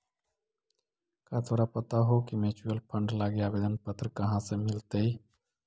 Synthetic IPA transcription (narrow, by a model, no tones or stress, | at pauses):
kat̪ʰoːɾapɐt̪aɦokimeːt͡ʃijəlpʰə̃ɳɖlaːɡeaːbeːd̪ənpət̪ɾəkɐɦãsemɪlt̪ei